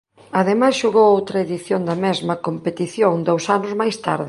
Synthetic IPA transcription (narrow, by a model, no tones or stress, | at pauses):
ɐðemasʃuɣowowt̪ɾɐeðiθjond̪ɐmɛzmɐkompet̪iθjoŋd̪owsanʊzmajst̪a̰ɾðɪ